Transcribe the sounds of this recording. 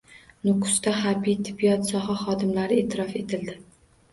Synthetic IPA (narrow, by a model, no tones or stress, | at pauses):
nʊkʰʊ̥st̪aχaɾbijt̪ʰɪ̥bːijɒt̪sɒɦaχɒd̪ɪmlaɾɪeːt̪ʰɪɾɒfe̞t̪ʰɪld̪ɪ